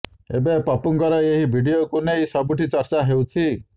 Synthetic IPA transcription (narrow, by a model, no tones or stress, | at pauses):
ḛbepapuŋkɔɾɔeɦibʱiɽiokunejsɔbuʈit͡ʃɔɾt͡ʃaɦewt͡ʃʰi